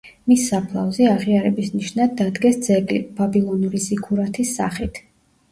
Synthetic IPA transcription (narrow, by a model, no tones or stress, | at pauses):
misːapʰlˠa̰vzɛaʁiaɾɛbisniʃnad̪ːad̪ɡɛsd̪zɛɡlḭb̥abilˠɔnuɾizikʰuɾat̪ʰisːa̰χit̪ʰ